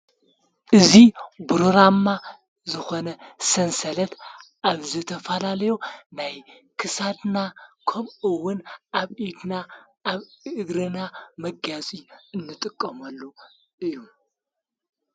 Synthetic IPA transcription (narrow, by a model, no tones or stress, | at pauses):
ʔɨzibɾoɾama | zɨxo̞nɐsɐnsɐlɐt̪ʔaβzɨt̪ʰɐfɐlalɐjonaj | kʰɨsad̪nakʰɐmɨwʊnʔaβʔid̪naʔːβɨɡɾɨnamɐɡat͡sʼiɨnːɨt̪ʼɨkʼːɐmɐlːu | ɨjːum